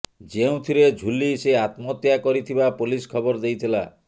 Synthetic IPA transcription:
d͡ʒeũt̪ʰiɾed͡ʒʱuliseat̪mɔt̪jakɔɾit̪ʰibapuliskʰɔbɔɾd̪ejt̪ʰila̰

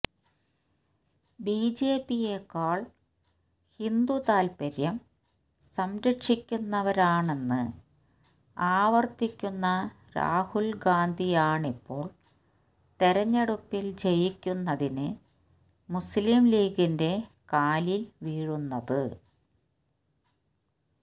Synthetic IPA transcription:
biːd͡ʑe̞ːpːijekːaːɭ | hind̪ut̪aːlpɐɾjɐm | sɐmɾɐʈʂikʲːunːɐʋɐɾaːɳe̞nːɨ | aːʋɐrt̪ikʲːunːɐ | ɾa̰ːhulɡaːnd̪ʱijaːɳipːo̞ːɭ | t̪eɾɐɲːɐɽupːild͡ʑe̞jikʲːunːɐðinɨ | muslimliːɡinde̞ | kaːlilʋiːɻunːɐðɨ

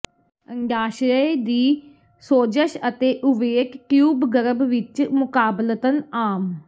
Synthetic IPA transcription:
əŋɡaːʃɾəd̪iː | soːd͡ʒəʃət̪eːʔʊʋeːkːjuːbɡəɾəbʋɪt͡ʃmʊkaːblət̪ənaːm

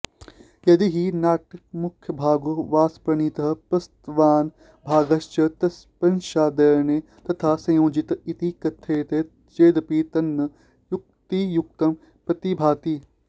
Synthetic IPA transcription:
jɐd̪iɦinaːʈɐkmʊkʰjəbʱaːɡuʋaːspɐnit̪ɐɦpɐst̪ʋaːn | bʱaːɡɐʃt͡ʃɐt̪ɐspɐnʃaːd̪ɐɾneː | t̪ɐt̪ʰaːsɐ̃jõːd͡ʒit̪it̪ikɐt̪ʰːeːt̪e | d͡ʒeːd̪ɐpiːt̪ɐnː | juk̚t̪ijuk̚t̪ɐm | pɾɐt̪ibʱaːt̪iː

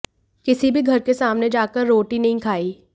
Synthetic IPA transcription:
kɪsibʱiɡʱɐɾkesaːmned͡ʒaːkəɾːoːʈinɐɦĩkʰaːiː

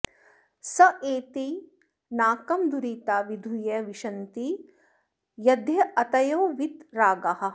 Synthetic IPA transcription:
sɐʔeːt̪i | naːkɐmd̪uɾiːt̪aːʋid̪ʱujɐʋiʃɐnt̪i | jɐd̪ʱjɐʔɐt̪ɐjoːʋit̪ɾaːɡɐhɐ̆

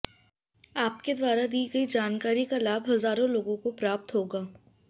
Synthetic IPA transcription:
aːp̚ked̪waːɾad̪iːɡəid͡ʒaːnkaːɾikalaːbɦɐzaːɾõloːɡõkopɾaːp̚t̪ɦoːɡaː

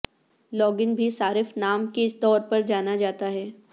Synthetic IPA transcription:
lɔːɡɪnbʱisaːɾɪfnaːmket̪ɔːɾpɐɾd͡ʒaːnad͡ʒaːt̪aɦɛː

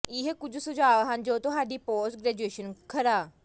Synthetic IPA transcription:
iɦekud͡ʑusud͡ʑaaʋaɦand͡ʑewt̪oɦaɖipɔsɡɾed͡ʑueɕənkʰəɾa

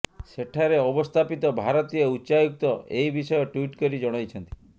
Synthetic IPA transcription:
seʈʰaɾeɔbɔst̪ʰapit̪ɔbʱaɾɔt̪ijɔuːʃajuk̚t̪ɔejbisɔjɔʈwiʈkɔɾid͡ʒɔɽ̃ajt͡ʃʰɔnt̪i̥

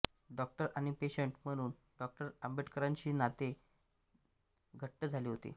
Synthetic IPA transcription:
ɖɔk̚ʈəɾaɽ̃ipeɕəɳʈm̤əɽ̃uːn | ɖɔk̚ʈəɾəmbʱeʈkəɾaɲt͡ɕiːnat̪e | ɡʱəʈːəd͡zʱaliːɦot̪ḭ

